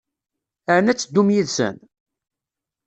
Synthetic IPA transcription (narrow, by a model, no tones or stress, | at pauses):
əɾənæt͡sːd̪ːumjiðsə̰n